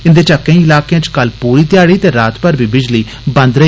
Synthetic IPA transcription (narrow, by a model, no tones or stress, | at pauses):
ɪnd̪eːt͡ʃəkːẽĩːɪlaːkejãːt͡ʃkəlpuːɾiːt̪ɪjaːɽiːt̪eːɾaːt̪pəɾbiːbɪd͡ʒliː | bə̃nd̪ɾə